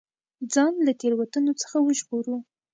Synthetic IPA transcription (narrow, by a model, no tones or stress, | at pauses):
d͡zɑnlat̪eɾwat̪ənot͡sə̥xawəʒboɾu